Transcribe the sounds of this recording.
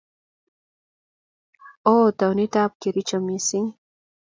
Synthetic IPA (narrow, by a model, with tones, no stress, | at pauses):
o˦ta˨wni˦ta˦p̚ke˨ɾi˦t͡ʃɔ˨me˨si˦ŋ